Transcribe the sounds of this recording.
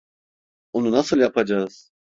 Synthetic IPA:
onunasɯlˠjapʰad͡ʒaz̥

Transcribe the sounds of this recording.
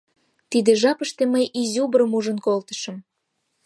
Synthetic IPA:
t̪id̪eʒɑpəʃt̪eməjʔizʲubəɾəmuʒə̆nkolt̪ə̥̆ʃə̆m

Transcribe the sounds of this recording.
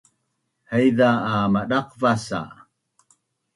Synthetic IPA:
həjðaːmaɗaqvasa̰

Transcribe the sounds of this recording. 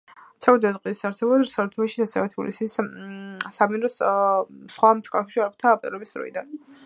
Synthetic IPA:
t̪sʰɛvɾd̪ɛt̪qʼwisaɾsɛbɔd̪ɾsaɾt̪ʰɛaʃisasɛvɛt̪ʰbṵlḭsis | samiɾɔs | sχwamt̪ʰkʼa̰ʃɛ̥ʃiaɾp̚ʰt̪ʰapʼt̪ʼlɛbisd̪ɾɔ̰ḭd̪an

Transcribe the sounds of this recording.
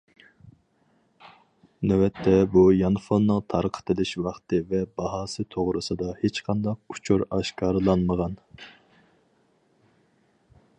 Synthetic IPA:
nøwɛt̪ʰːɛbujɑnfonnːəŋt̪ʰɑɾqʰə̥t̪ʰɨlɪʃwɑχt̪ɨvɛbɑɦɑːsɨt̪ʰoʁɾɨsɨd̪ɑhet͡ʃqʰɑnd̪ɑq̚u̥t͡ʃʰuɾɑʃkʰɑːɾlˠɑnməʁɑn

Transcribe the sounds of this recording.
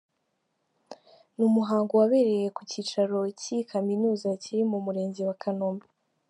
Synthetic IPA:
numuɦaːŋɡowaβe̞ːɾe̞je̞kuciːt͡ʃaɾo̞cikʰaminuːzaciɾimumuɾe̞ːɲziwakʰanoːmbe

